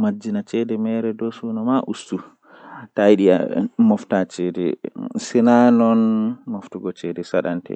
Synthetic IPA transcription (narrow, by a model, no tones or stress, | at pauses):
mad͡ʒːinat͡ʃɛdɛmɛɾɛdɔsuːnamaʔustu | tajiɗia̰mɔftat͡ʃɛdɛ̰sinanɔnmɔftuɡɔt͡ʃɛdɛsaɗa̰ntɛ̰